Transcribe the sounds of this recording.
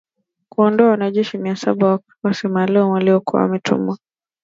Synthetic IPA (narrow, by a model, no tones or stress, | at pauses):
kuɔndɔawanaʄɛʃimiasa̰ɓa | wasimalumwaliɔkua̰wa̰mɛtʰṵm̩wa